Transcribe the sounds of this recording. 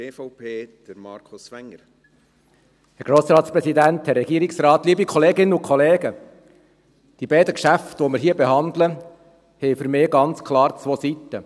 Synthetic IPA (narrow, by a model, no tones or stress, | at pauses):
eːfɔʊpʰeːd̪̥əɾmɑːɾkʰʊsʋɛŋːəɾ | hɛɾɡ̥ɾoːsɾɑːt̪spɾɛsidænt̪hɛrɛɡ̥iəɾiksɾɑːt̪liːbikʰɔleːɡɪnːəʊkʰχɔleːɡə | d̥ibɛɪdəkʃæftʋɔmɪɾɦiːəbehɑnd̪lə | hɛjfʏɾmɪːɡɑnt͡skʰlɑːɾt͡sʋoːsit̪ːə